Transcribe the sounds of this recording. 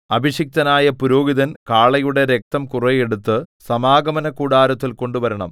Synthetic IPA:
ɐbʱiɕik̚t̪ɐnaːjɐpuɾo̞ːɡiðɐnkaːɭɐjuɽe̞ɾek̚t̪ɐmkurɐjeɽut̪ːɨsɐmaːɡɐmɐnɐkuːɽaːɾɐt̪ːilko̞ɳɖuʋɐɾɐɳɐm

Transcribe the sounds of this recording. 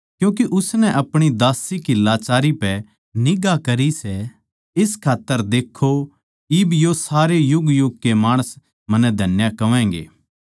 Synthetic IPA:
kjũːk̬iʔʊsnɛʔɐpɽ̃id̪aːsikilaːt͡ʃaːɾipɛ | nɪɡakɐɾisɛ | ɪskʰaːt̪ːəɾd̪eːkʰːo | iːbjosaːɾejʊɡjʊɡ̚kemaːɽ̃əs | mɐ̃nːɛd̪ʱɐnjakɐʋɛ̃ːŋɡḛː

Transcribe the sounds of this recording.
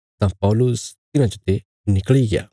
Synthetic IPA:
t̪ãpalust̪inãt͡ʃot̪e | nikɭiɡja̰

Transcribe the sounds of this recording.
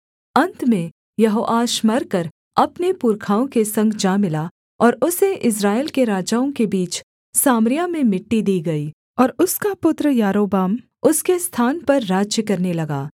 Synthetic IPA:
ɐ̃nt̪mẽ | jɐɦoːʔaːʃmɐɾkɐɾ | ɐpnepuɾkʰaːõkesɐ̃ŋɡd͡ʒaːmɪla | ɔːɾʊseʔɪs̬ɾaːɪːlkeɾaːd͡ʒaːõkebiːt͡ʃ | saːmɾɪjamẽmɪʈːid̪iːɡɐiː | ɔːɾʊskapʊt̪ɾəjaːɾoːbaːm | ʊskest̪ʰaːnpɐɾːaːd͡ʒjəkɐɾnelɐɡaː

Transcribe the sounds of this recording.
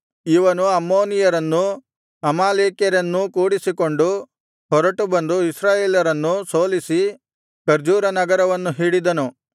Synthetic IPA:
iʋɐnuɐmːoːnijɐɾɐnːu | ɐmaːleːkjɐɾɐnːukuːɽisikoɳɖu | hɔɾɐʈubɐnd̪uisɾaːjeːljɐɾɐnːusoːlisi | kɐɾd͡ʒuːɾɐnɐɡɐɾɐʋɐnːuɦiːɽid̪ɐnu

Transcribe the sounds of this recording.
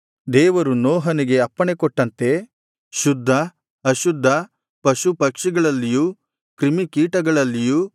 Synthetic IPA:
d̪ɛːʋɐɾunɔːɦɐniɡe̞ɐpːɐɳe̞kɔʈːɐnt̪e̞ | ʃud̪ʱːɐ | ɐʃud̪ʱːɐ | pɐʃupɐkʂiɡɐɭɐlːiju | kɾimikiːʈɐɡɐɭɐlːiju

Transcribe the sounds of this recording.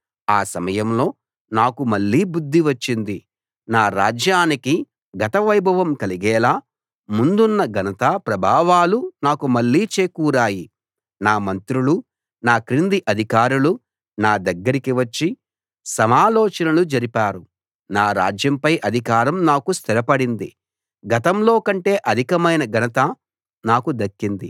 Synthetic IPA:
aːsɐmɐjɐmlo̞ː | naːkumɐɭːiːbud̪ʱːiʋɐt͡ʃːind̪i | naːɾa̰ːd͡ʒjaːniki | ɡɐt̪ɐʋɐjbʱɐʋɐmkɐliɡɛːlaː | mund̪unːɐɡʱɐnɐt̪apɾɐbʱaːʋaːlunaːkumɐɭːiːt͡ʃeːkuːɾaːji | naːmɐnt̪ɾulu | naːkɾind̪iʔɐd̪ʱikaːɾulu | naːd̪ɐɡːɐɾikiʋɐt͡ʃːi | sɐmaːlɔːt͡ʃɐnɐlud͡ʒɐɾipaːɾu | naːɾa̰ːd͡ʒjɐmpɐjʔɐd̪ʱikaːɾɐmnaːkust̪ʰiɾɐpɐɽind̪i | ɡɐt̪ɐmlo̞ːkɐɳʈe̞ːʔɐd̪ʱikɐmɐjnɐɡʱɐnɐt̪a | naːkud̪ɐkːind̪ḭ

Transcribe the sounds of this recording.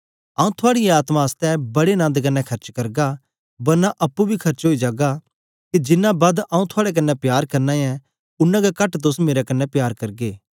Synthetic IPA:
aːũt̪ʰʊaːɽɪjɛaːt̪mãɐst̪ɛbɐɽenãːnd̪k̬ɐnːɛkʰɐɾt͡ʃkɐɾɡa | bɐɾnaʔɐpːubʱikʰɐɾt͡ʃɦoːid͡ʒaːɡa | kid͡ʒɪnːãbaːd̪ãːũt̪ʰʊaːɽɛk̬ɐnːɛpjaːɾkɐɾnãjɛ̃ | ʊnːãɡakɐʈt̪ʊsmeːɾakɐnːɛpjaːɾkɐɾɡeː

